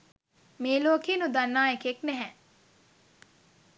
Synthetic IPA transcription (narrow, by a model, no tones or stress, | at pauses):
meːloːkeːnud̪anːaːekeknɛɦɛ